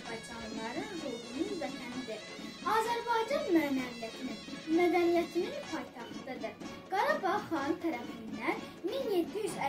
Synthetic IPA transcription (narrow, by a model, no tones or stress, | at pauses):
bɑjd͡ʒɑnlˠɑɾɯnzolˠɡununvæt̪ʰænid̪iɾ | ɑːzæɾbɑjd͡ʒɑnmøːnænlæt̪ʰininmæd̪ænijæt̪ʰininpʰɑjt̪ʰɑxt̪ʰɯd̪ɑd̪ɯɾ | ɡ̥ɑɾˠɑpɑχɑnɯt̪ʰæɾæfind̪ænminjet̪ʰːiyʃæ